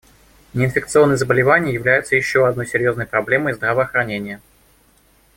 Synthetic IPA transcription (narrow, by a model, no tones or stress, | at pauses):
nʲɪnfʲɪkt̪sɨo̞nːəjzəbəlʲɪvanʲɪjəjɪvlʲæjʊt̪səjɪɕːo̞ɐd̪no̞jsʲɪɾʲjo̞znəjpɾɐblʲe̞məjzd̪ɾəvəːxɾɐnʲenʲɪjə